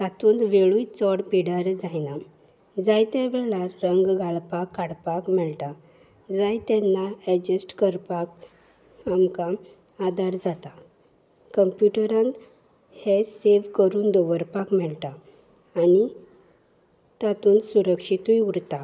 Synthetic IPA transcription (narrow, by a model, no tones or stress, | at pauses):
t̪at̪uːnʋeɭujt͡sɔɽpiɽaɾd͡zajna | d͡zajt̪ɛ̃ʋɛɭaɾːəŋɡɡalpakːaɽpakmɛɭt̪a | d͡zajt̪ɛnːaɛd͡ʑəsʈkəɾpak | amkam | ad̪aɾd͡zat̪a | kəmpjuʈəɾãn | heseʋkəɾuːnd̪oʋəɾpakmɛɭt̪aː | ni | t̪at̪uːnsuɾəkʂit̪ujuɽt̪a